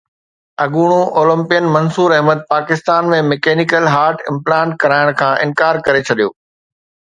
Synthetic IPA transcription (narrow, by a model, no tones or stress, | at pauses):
ɐɡuːɽ̃ũʔoːlə̃mpijənmɐ̃nsuːɾɐɦməd̪̚paːkɪst̪aːnmẽmɛkeːnikəlɦaːɾʈɪ̃mplãːɳʈ̚kɐɾaːɪɽ̃kʰãːʔɪ̃nkaːɾkɐɾet͡ɕʰɐɗijoː